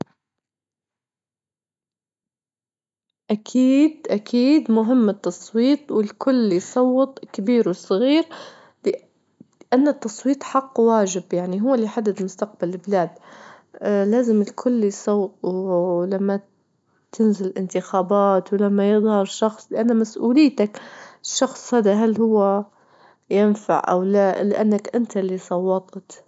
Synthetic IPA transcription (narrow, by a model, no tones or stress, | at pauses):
ʔakʰiːd̪ʔakʰiːd̪mʊɦɪmːɪt̪ːɑsˤwiːt̪ˤwɪlkʰʊlːjsˤɑwːɑt̪ˤkabiːɾwɪsˤɑɣiːɾ | lɪ | ʔanːat̪ːɑsˤwiːt̪ˤħɑqːwaːʒɪbjaʕniɦʊwːlːiħad̪ːɪd̪lmʊst̪aq̚balɪlbɪlaːd̪ | laːzɪmɪlkʰʊlːjsˤɑwːt̪̚ˤwlamːa | t̪ɪnzɪllʔɪnt̪ɪxaːbaːt̪wlamːajɨðˤhɑɾˤʃɑxsˤlɪʔanːamasʔuːlɪjːt̪akʃːɑxsˤhaːd̪aɦalːhʊwːa | jɪnfa̰ʕʔa̰wlalɪʔanːakʔɪnt̪alːisˤɑwːɑt̪ˤt̪